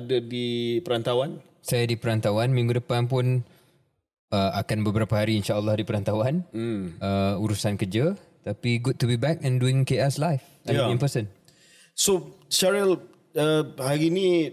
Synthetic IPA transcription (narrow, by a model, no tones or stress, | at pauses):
dədipəɾant̪awan | sajadipəɾant̪awanmĩŋɡudəpanp̬ʊn | əakanbəbəɾapəɦaɾiːnʃaʔəlːɔhdipəɾant̪awan̩əuɾusankəd͡ʒət̪apiɡud̚tubibɛk̚ɛ̃nduɪ̃ŋkeɛslajf | aĩmpəsən | soʃaɹil | əhaɾinĩ